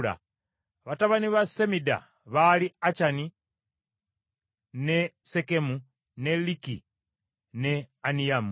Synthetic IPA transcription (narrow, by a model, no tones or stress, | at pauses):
la̰ | βataβaniβasemida̰ | βaliat͡ʃani | ne̞se̞ke̞mu | ne̞lːikḭ | ne̞anijamu